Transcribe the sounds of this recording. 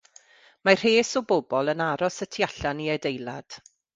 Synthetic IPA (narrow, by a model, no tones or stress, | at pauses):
mar̥eːsɔbobɔlˠənaɾɔsətʰiaɬaniɛdejlˠa̰d̥